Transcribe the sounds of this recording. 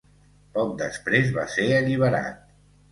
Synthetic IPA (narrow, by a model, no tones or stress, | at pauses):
pɔk̚d̪əspɾezβaseəʎiβ̞əɾa̰t̪̚